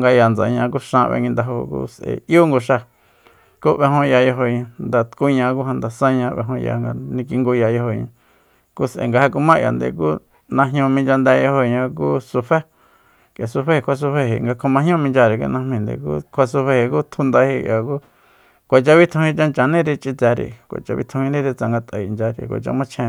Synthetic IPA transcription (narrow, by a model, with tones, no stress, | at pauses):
ŋɡa˧ja˨nd͡za̰˨ɲã˧k̬u˦ʃã˧βḛ˧ŋɡi˧nd̪a˧ɦo˧kṵː˦sʔḛ˨ʔju˦ŋɡo˧ʃa˧ | ku˦βe˧ɦõ˧ja˧jo˧ɦo˧ɲã˧nd̪a˧t̪ku˦ɲã˧k̬u˦hã˧nd̪a˨sã˦ɲã˧˦βḛ˧ɦõ˧ja̰˧ŋɡa˧nĩ˧k̬i˧ŋɡu˧ja˨jo˧ho˧˨ɲã˧ | ku˦sʔḛ˨ŋɡa˧ha˧ku˧mã˦jʔa̰˨nd̪ḛ˨k̬uː˦ | nã˧ɦɲõ˧mĩ˧nd͡ʒa˧nd̪ɛ˧jo˧ho˧˨˧ɲã˧k̬u˦su˧ɸe˦ | kja˨su˧ɸe˦hi˧kʷʰa˧s̬u˧ɸe˧ɦḭ˨ŋɡa˧kʰõ˧mã˧ɦɲõ˦˧mĩ˧nd͡ʒa˧ɾi˨kḭ˧nã˧mĩ˧nd̪ḛ˨kṵ˦kʰʷa˧su˧ɸe˧hi˨ku˦t̪ʰu˧nd̪a˧hi˧ʔjʔa˨ku˦ | kʷa˨t͡ʃa˧βi˦t̪ʰũ˧hĩ˧t͡ʃa˧nt͡ʃa˨nĩ˦ɾi˧t͡ʃʼi˧t͡sa˧ɾḭ˨kʷa̰˨t͡ʃa̰˧βḭ˦t̪ʰũ˧hĩ˧nĩ˦ɾe˧t͡sa˧ŋɡa˧t̪ʼa˨i˨nd͡ʒa˧ɾḭ˧kʷa̰˨t͡ʃa̰˧mã˦t͡ʃʰẽ˧